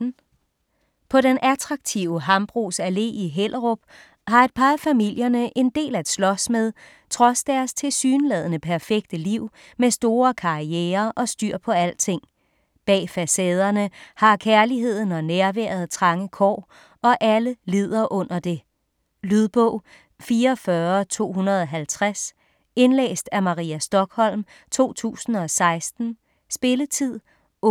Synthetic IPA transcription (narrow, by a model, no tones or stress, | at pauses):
pʰɒ̽ɾenʔæt͡sʰʁɑ̈ɡ̥̚t͡sʰiʊəɦɑ̈mb̥ʁṵːsæle̝̰ːiɦel̰ʔʁob̥ | hɑ̈e̝d̥̚pʰɑ̈fæmil̰jɐnəʔe̝nd̥e̝̰ːlæd̥slɒ̽smeðˠ | t͡sʰʁɒ̽sd̥æɐst͡sʰe̝lsyːnlɛð̞̰ˠənəpʰæɐfeɡ̥d̥əliʊ̰ | mesd̥o̝ːɐkʰɑ̈iɛːɐʔɒ̽sd̥yɐ̰pʰɒ̽æl̰̥̚t͡sʰe̝ŋ̰ | b̥ɛ̰ːfæsɛːð̞ˠɐnəhɑ̈kʰæɐliɦe̝ð̞̰ˠn̩ɒ̽næɐʋæ̰ɐð̩ˠt͡sʰʁɑ̈ŋəkʰɒ̰ː | ɒ̽ʔæləlið̞̰ˠɐʔɔ̽n̰ɐd̥e̝ | lyðˠb̥ɔ̰ʊ | fiːɐfɶːɐt͡sʰo̝̰ːɦunɐð̞ˠɒɦælt͡sʰʁas | e̝nlḛːsd̥æmɑ̈ʁḭːæsd̥ɒ̽ɡ̥hɒ̽l̰m | t͡sʰo̝̰ːt͡sʰṵːsn̩ɒ̽sɑ̈ɪsd̥n̩ | sb̥e̝lət͡sʰið̰ˠ